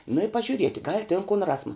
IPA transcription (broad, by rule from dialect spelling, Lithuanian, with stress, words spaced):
nʊ ɪ pɐʒʲʊˈrʲiɛtʲɪ ɡɐlʲ tʲɪn kʊn ˈrɑːsmɐ